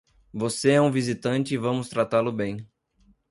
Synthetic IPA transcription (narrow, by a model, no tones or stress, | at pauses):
voseɛũvizit̪ɐ̃nt͡ʃɪːvɐ̃mʊst̪ɾat̪alʊbẽj̃